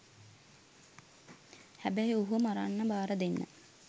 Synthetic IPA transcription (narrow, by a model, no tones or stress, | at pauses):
hæbæjuɦumaɾanːɐbaːɾəd̪enːə̰